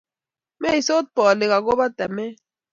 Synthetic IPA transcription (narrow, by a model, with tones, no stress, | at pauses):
mɛ˦˨i˨so˦t̪̚pɔ˨le˨ɣa˨ɡo˦ba˦t̪ɛ˨me˦